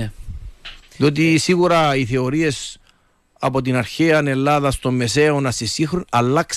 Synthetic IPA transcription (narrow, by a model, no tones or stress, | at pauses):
ðio̞t̪̬isiɣuɾɐiθe̞o̞ɾie̞s | ɐpo̞t̪inɐɾçeɐne̞lːaðɐst̪o̞mːe̞seonɐst̪isixɾunɐlːɐks